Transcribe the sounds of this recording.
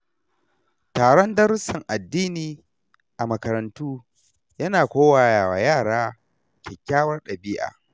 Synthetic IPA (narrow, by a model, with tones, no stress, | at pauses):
taː˨ɽɔ˦ndɐ˦ɾʊ˦sɐ˨ŋʔa˨dːiː˦niː˨ | ʔa˨mɐ˨kɐ˨ɾɐ˨ntuː˦ | jɐ˦naː˨kʷoː˦waː˨jaː˨wa̰˨jaː˦˨ɽaː˦ | kʲɛ˨kʲːaː˦wɐ˦rɗɐ˨bi˦ʔa̰ː˨